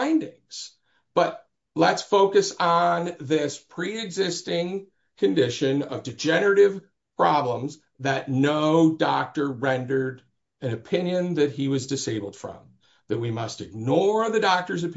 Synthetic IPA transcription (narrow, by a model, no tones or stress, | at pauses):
ɪ̃ndɪ̃ŋz̥ | b̥ʌt̚ | lətsfoʊkɨsn̩ðɪspʰɹ̥iɨɡzɪstɪ̃ŋ | kʰɨ̃ndɪʃɨ̃nʌ̰vdɨd͡ʒɛnə˞ɨɾɪv̥ | pʰɹ̥ɑblə̃mz | ðɨtⁿnoʊdɑk̚tə˞ɹɛ̃ndə˞ɾ | ɨ̃nɨpʰɪ̃njɨ̃nðɨt̚hiwʌzdɨseɪbl̩ˠd̥fɹʌ̰̃m | ðɨt̚wimʌstɨɡ̚nɔɹðɨdɑk̚tə˞zɨp